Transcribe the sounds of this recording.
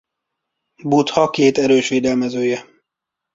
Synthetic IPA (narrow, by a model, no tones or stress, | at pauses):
but̪hɒkeːt̪ɛɾøːʃʋeːd̪ɛlmɛzøːjɛ